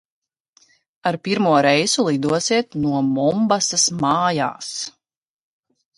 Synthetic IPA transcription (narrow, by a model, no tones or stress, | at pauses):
aɾpiɾmuɔɾɛjzulˠid̪uɔsiɛt̪nuɔmɔmbasasmaːja̰ːs